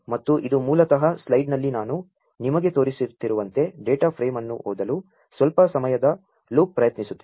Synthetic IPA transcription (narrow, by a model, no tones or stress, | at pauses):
mɐt̪ːuʔid̪umuːlɐt̪ɐɦɐslɐjɖnɐlːinaːnu | nimɐɡe̞t̪o̞ːɾisiɾt̪ːiɾuʋɐnt̪e̞ɖeːʈɐpʰɾeːmɐnːṵɦoːd̪ɐlu | sʋɐlpɐsɐmɐjɐd̪ɐ | luːk̚pɾɐjɐt̪nisut̪ːi